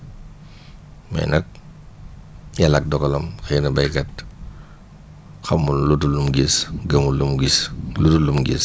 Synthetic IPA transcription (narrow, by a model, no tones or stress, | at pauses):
mɐ̰jnɐk̚ | jɐlɐk̚dɔkɔlɐmxɛnɐbɐjkɐt̚ | xɐmːunlutulumɡisɡɐmulumɡislutulumɡḭs